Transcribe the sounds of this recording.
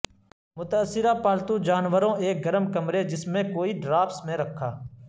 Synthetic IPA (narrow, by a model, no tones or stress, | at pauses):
mʊt̪əəsːɪɾaːpaːlt̪ũd͡ʒaːnʋəɾõːeːk̚ɡəɾəmkəmɾed͡ʒɪsmẽkoːiːɖɾaːpsmẽɾəkʰːaː